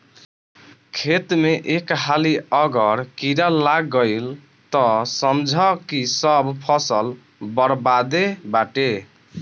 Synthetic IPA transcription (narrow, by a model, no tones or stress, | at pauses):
kʰet̪meʔekɦaliʌɡʌɾkiɾalːaɡːəɪl | t̪ɔsʌmd͡ʒʱəkisʌbpʰʌsəl | bəɾbad̪ebaʈe